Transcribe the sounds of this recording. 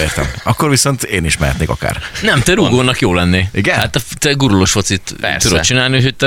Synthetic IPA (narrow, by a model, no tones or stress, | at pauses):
eːrt̪ɛ̰mɒkːo̞ɾviso̞nt̪eːniʃmɛɦɛt̪neːkɒ̰ka̰ːrnɛmt̪ɛɾuɡoːnɒkjoːlɛnːeːiɡɛnat̪ːɛt̪ɛɡuɾuloʃfo̞t̪sit̪ud̪ot̪t͡ʃinaːlniuchoc̚t̪ɛ